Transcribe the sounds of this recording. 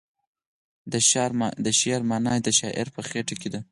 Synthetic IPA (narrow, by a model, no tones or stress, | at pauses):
d̪d̪əʃeɾmɑnɑjd̪əʃɑʔɪ̰ɾpəxeʈaked̪a